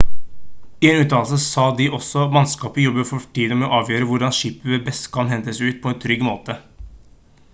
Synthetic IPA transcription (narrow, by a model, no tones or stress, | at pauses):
ɪeːnʉːt̪ɑːlsəsɑːd̪ɪʔɔsɔmɑnskɑːpəjɔbəfɔʈʰiːd̪əmɛoːʔɑːʋjøːɾəʋʊɖɑnʃiːpəʋeːbɛst̪kʰɑmhɛnt̪əsɛʉːt̪̚pʰɔɛːnt̪ʰɾʏɡmoːt̪ə